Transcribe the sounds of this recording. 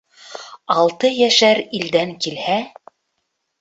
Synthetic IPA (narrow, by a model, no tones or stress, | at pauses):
ɑlˠt̪ɤjæʃæɾild̪æŋkilhæ